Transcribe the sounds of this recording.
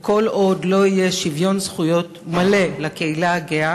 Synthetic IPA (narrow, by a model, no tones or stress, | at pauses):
ko̞lo̞dlo̞ije̞ʃivjo̞nzχujo̞t̪male̞lakeilaɡea